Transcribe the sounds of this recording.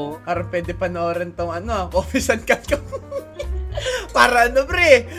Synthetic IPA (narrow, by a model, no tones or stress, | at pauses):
kaːɾɐŋpwɛːd̪ɪpɐnɐoːɾɐnt̪oŋʔɐnoʔoːpɪsɐnkɐkɐ | paːɾɐɐnobɾɛ